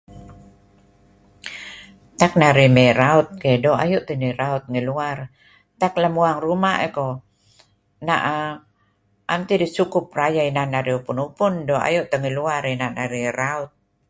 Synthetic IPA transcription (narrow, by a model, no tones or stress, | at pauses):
t̪ak̚naɾimeɾaʊt̪̚kedoa̰juʔt̪əniɾaʊt̪̚ŋiluar | t̪aklamuaŋrumaʔeko | naʔa | ʔamt̪idisukʊp̚rajainanaɾiupunupʊndoa̰juʔt̪əŋiluaɾinanaɾiraʊt̪̚